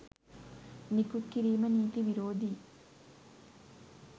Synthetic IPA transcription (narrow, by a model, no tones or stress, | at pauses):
nikut̪kiɾiːmɐniːt̪iʋiɾoːd̪ʱi